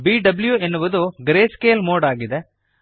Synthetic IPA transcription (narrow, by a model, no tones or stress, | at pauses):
biːɖɐbljuenːuʋɐd̪uɡɾeːskeːlmoːɖaːɡid̪e